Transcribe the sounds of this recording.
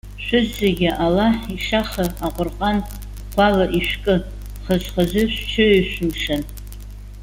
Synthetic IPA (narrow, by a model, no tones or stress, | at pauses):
ʃʷʊzːeɡʲɪʔalaħiʂaχəaqʷʼʊrqʼan | qʷʰalaʔiʃʷkʼɨ | χəʒʷχazɨʃʷt͡ʃʰɨiʃʷʊmʂan